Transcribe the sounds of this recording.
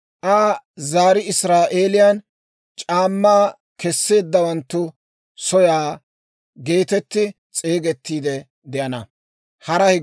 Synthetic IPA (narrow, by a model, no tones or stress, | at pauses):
ʔaːzaːɾɪɪsɾaːʔeːlɪjan | t͡ʃʼaːmːaː | kɛsːe̞ːd̪ːɐwɐnt̪ːʊ | sɔjaː | ɡe̞ːt̪ɛt̪ːɪ | t͡sʼe̞ːɡɛt̪ːiːd̪ɛ | d̪ɛʔɐnɐ | hɐɾɐhɪ